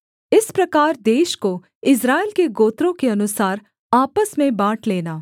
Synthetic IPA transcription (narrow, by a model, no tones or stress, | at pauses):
ɪspɾɐkaːɾd̪eːʃko | ɪs̬ɾaːilkeɡoːt̪ɾõkeɐnʊsaːɾ | aːpəsmẽbaːʈʰleːnaː